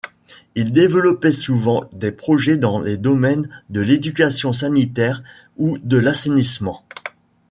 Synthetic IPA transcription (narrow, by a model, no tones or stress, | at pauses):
ild̪evəlɔpɛsuvɑ̃d̪epχɔʒɛd̪ɑ̃led̪ɔmɛnd̪əled̪ykʲasjɔ̃s̬anit̪ɛʁ | ud̪əlasenismɑ̃